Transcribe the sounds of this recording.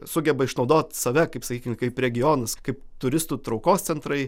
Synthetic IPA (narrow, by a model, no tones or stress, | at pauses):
sʊɡʲɛbɐɪʃnɒʊd̪oːt̪sɐʋʲɛkɐɪpsɐkʲiːkʲɪmkɐɪpɾʲɛɡʲɪjoːnɐskɐɪpt̪ʊɾʲɪst̪uːt̪ɾɒʊkoːst̪sʲɛnt̪ɾɐɪ